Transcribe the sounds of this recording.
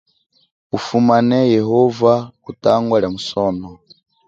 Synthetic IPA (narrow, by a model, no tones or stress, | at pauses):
ufumanɛjɛɦɔvautaŋɡwaɺamusɔːnɔ